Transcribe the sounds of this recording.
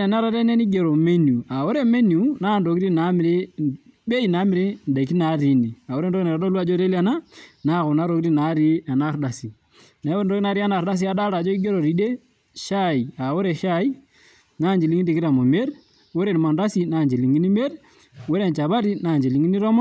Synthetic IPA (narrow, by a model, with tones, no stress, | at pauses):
ɛ˨na˦ɾa˦ɾɛ˦nɛ˦ni˦ɡe˨ɾo˨me˦n˨u˨a˨wo˦ɾe˦me˦ni˨u˨˦naː˦˨ndo˨ki˦i˦na˨˦m˨ɾe˦be˦i˨na˨˦mi˨ɾe˦nda˨ki˦na˨˦ɾi˨˦ni˨a˨wo˦ɾe˦ndo˦ki˦ne˨ɾa˨dɔ˦lwa˦d͡ʒo˦ɾe˦li˦a˨na˦na˦˨ko˨na˦ɾo˨˦i˦i˦na˨˦ɾi˦a˨na˦ɾda˨si˨ | na˨˦wo˦˨n˨do˦kna˦ɾi˦a˦na˨ɾda˦s̬i˦a˦da˦ɾa˨d͡ʒɔ˦i˦ɡe˦ɾo˨ɾi˨˦de˦ | ʃa˦i˨a˨wo˦ɾe˨ʃa˦i˦ | na˦nd͡ʒi˨li˦ŋi˦di˨ki˦ɾa˨mo˨me˦ɾ | wo˦ɾe˦˨n˨ma˨nda˦si˦na˦˨nd͡ʒi˨li˨ŋi˦ni˦me˦ɾ | we˦ɾe˨nt͡ʃa˨βa˦ɾi˦na˦˨nd͡ʒi˨li˦ŋi˦ni˦ɾɔ˦mɔ˦